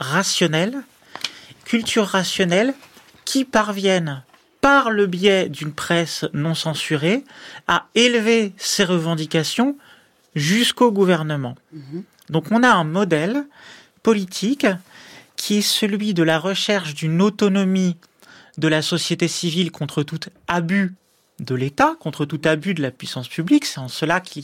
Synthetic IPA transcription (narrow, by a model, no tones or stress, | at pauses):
ʁasjɔnɛl | kʲʰylt̪ʰyʁːasjɔnɛl | kʲʰipaʁvjɛn | paʁləbjɛd̪ynpχɛsnɔ̃sɑ̃syʁeaelveseʁəvɑ̃d̪ikʲasjɔ̃ | ʒyskoɡuvɛʁnəmɑ̃ | d̪ɔ̃kɔ̃naɛ̃mɔd̪ɛl | pɔlit̪ʰik | kʲʰːiɛsəlɥid̪əlaʁəʃɛʁʃd̪ynot̪ɔnɔmi | d̪əlasɔsjet̪esivilkɔ̃t̪χət̪ut̪aby | d̪əlet̪akɔ̃t̪χət̪ut̪abyd̪əlapɥisɑ̃spybliksɛɑ̃səlakʰʲi